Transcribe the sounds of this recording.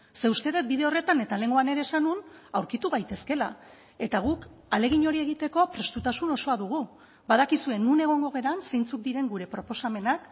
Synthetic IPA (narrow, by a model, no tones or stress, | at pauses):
se̞ust̪e̞ðet̪̚biðe̞o̞re̞t̪ane̞t̪ale̞ŋɡo̞ane̞ɾe̞ːsanunawɾkit̪uɣ̞ajt̪e̞ske̞la̰ | e̞t̪aɣ̞ukale̞ɣiɲo̞ɾie̞ɣit̪e̞ko̞pɾe̞st̪ut̪asuno̞so̞aðuɣ̞u | baðakisue̞nːune̞ɣ̞o̞ŋɡo̞ɣ̞e̞ɾanse̞jnt͡suk̚d̪iɾe̞ŋɡuɾe̞pɾo̞po̞same̞nak